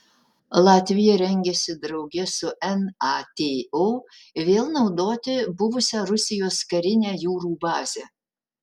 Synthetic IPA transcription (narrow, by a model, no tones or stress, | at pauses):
lˠɑːt̪ʲʋʲɪjɛɾʲɛŋʲɡʲɛsʲɪd̪ɾɐʊɡʲɛsʊʔɛnɑt̪ʲeːoː | ʋʲeːlˠnɒʊd̪oːt̪ʲɪbʊʋʊsʲæːɾʊsʲɪjoːskɐɾʲɪnʲæːjuːɾuːbɑːzʲæ